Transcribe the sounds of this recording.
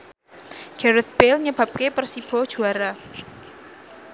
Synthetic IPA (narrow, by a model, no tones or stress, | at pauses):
ɡ̥ɛɾət̪̚belɲəb̥a̤p̚kepərsib̥ɔ̤d̥ʒ̥uaɾa